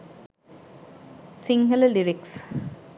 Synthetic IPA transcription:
siŋɡɐləliɾiks

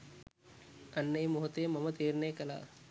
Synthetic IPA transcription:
ɐnːejmʊɦɐt̪eːmɐmɐt̪iːɾneːkɐla̰ː

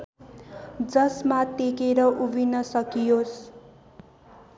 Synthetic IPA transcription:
d͡zʌsmat̪ekeɾʌʔubinʌsʌkijos

